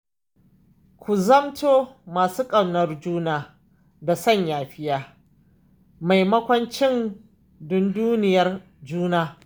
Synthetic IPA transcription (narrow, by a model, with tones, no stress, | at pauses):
kʷu˨zɐ˦mtoː˦maː˨suː˦kʼɐ˨wnɐ˦rd͡ʒuː˦naː˨ | da˨sɐ˦˨ɲjaː˨ɸɪ˦jaː˦ | ma˨jmɐ˦kʷɐ˦nt͡ʃɪ˦n | dʊ˦nduː˦nɪ˨jɐ˦r | d͡ʒuː˦naː˦